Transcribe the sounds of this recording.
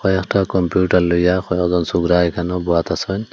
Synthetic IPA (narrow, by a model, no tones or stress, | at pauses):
xɔjɔktakɔmpjuʈaɾlujaxɔjɔkzɔnsuɡɾajkʰanɔbuwat̪asɔn